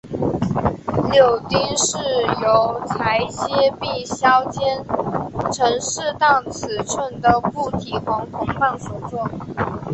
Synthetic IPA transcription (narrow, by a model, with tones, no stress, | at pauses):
ljo˥˨˩ʊt̪i˥ŋʂɻ̩˥˩jo˧˥ʊt͡sʰa˧˥ɪɕjɛ˥pi˥˩ɕjɑ˥ʊt͡ɕjɛ˥nʈ͡ʂʰɤ˧˥ŋʂɻ̩˥˧t̪ɑ˥˩ʊt͡sʰɹ̩˨˩ʈ͡ʂʰwə˥˩nd̪ə˩ku˥˩t̪ʰi˨˩xwɑ˧˥ŋkʰʊ˥ŋpa˥˩nfu˧˥t͡swɔ˥˩